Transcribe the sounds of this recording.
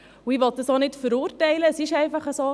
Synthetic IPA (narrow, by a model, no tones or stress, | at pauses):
uiʋɔt̪̚d̥ɑsonɪtfəɾuːɾtɛɪləːsɪʃɛɪfɑχəso